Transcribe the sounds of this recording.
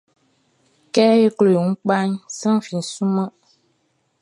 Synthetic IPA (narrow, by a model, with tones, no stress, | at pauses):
kɛ˦je˦klo˨ŋ̩˦k͡pa˦ɲsa˦ŋ˨fi˨n̩˨su˦mə˦